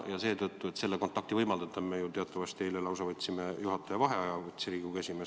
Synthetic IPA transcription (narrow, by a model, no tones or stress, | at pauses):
jɑse̞ːt̪ɤt̪ːuet̪se̞lːe̞ko̞nt̪ːˑɑk̚t̪ivɤjmɑld̪̥ɑt̪ːˑɑmejut̪e̞ɑt̪ːˑɑvɑst̪ejlelɑwsɑvɤt̪ʲːsimejuɦɑt̪ːˑɑjɑvɑɦe̞ɑjɑvɤt̪ʲsiɾiːɡ̥ukesime